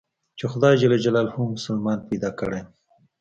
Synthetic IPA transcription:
t͡ʃexʊd̪ɑjd͡ʒalad͡ʒalɑlhumːʊsalmɑnpajd̪ɑkəɽe

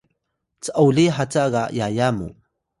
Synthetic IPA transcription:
t͡səʔawliħat͡saɣajajamṵ

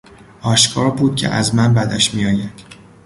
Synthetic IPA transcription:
ɒːʃkʰɒːɾbuːd̪̥̚cʲʰḛʔæzmænbæd̪æʃmijɒːjæd̪̥

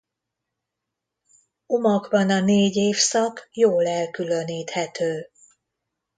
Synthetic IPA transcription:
omɒɡbɒnɒneːɟeːfsɒkjoːlɛlkyløniːt̪hɛt̪øː

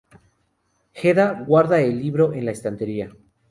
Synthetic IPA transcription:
xeðaɣwaɾðaelːiβɾo̞ʔe̞nlaest̪ant̪e̞ɾia

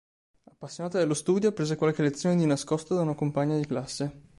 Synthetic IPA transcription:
apːasːjonaːt̪ad̪alːost̪uːd̪jopɾeːzekwalkelet̪sjoːned̪inaskɔst̪od̪aunakompaɲːad̪iklasːe

